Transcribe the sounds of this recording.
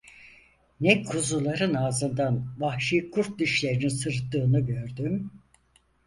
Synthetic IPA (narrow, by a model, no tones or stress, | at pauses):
nɛkʰuzulˠaɾɯnaːzɯnd̪anvahʃijkʰuɾt̪̚d̪iʃlʲe̞ɾininsɯɾt̪ːɯːnɯɟø̞ɾd̪ym